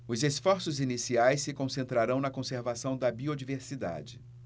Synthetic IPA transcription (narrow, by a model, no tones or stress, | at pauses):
ʊzesfɔɾsʊzinisiajsːɪkõsẽnt̪ɾaɾɐ̃w̃nɐkõseɾvasɐ̃w̃d̪ɐbiod͡ʒiveɾsid̪a̰d͡ʒɪ